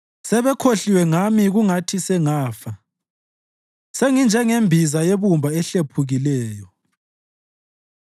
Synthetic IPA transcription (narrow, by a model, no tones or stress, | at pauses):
sɛβɛkʰoɬiwɛŋamiɣuŋatʰisɛŋaːfa | seŋind͡ʒʱɛŋembʱizajeβumbʱaɛɬepʰuɣilɛːjɔ